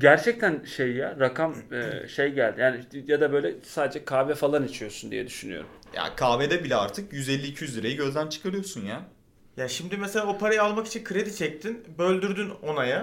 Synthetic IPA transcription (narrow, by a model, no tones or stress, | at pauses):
ɟæɾt͡ʃʰɛc̚t̪ʰænʃejːaɾakʰamɯʃe̞jɟælʲd̪ijaːnijad̪abø̞jlʲɛsaːd̪e̞d͡ʒɛkʰaːvɛfalˠanit͡ʃʰijo̞sund̪ḭjɛ̰d̪yʃyny̰o̰ɾṵm | ja̰ːkʰaːved̪ɛbilʲɛa̰ɾt̪ʰɯkjyzɛlʲːiːcʰijyzlʲiɾejiɟø̞zd̪ænt͡ʃʰɯ̥kʰaɾɯjo̞sunjaː | jaːʃimd̪imeselʲaopʰaɾajaalˠmaki̥t͡ʃʰinkʰɯɾed̪it͡ʃʰɛc̚t̪ʰinbø̞lʲd̪yɾd̪yno̞naja